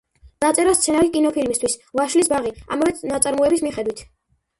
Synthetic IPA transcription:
d̪̥at̪sʼɛɾast̪sʰɛnalikʼinɔpʰilmist̪ʰwisvaʃlisbaʁia̰mavɛd̪nat̪sʼaɾmuɛbismiχɛd̪wit̪ʰ

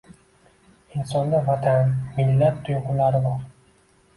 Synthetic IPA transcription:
ɪnsɒnd̪avat̪ʰanmɪlːat̪ʰːʊjʁʊlaɾɪbɒɾ

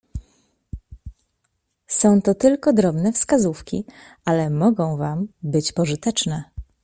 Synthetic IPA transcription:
sɔ̃w̃t̪ɔt̪ɘlkɔd̪ɾɔbnɛfskazufkʲi | alɛmɔɡɔ̃w̃vambɘt͡ɕpɔʐɘt̪ɛt͡ʂnɛ

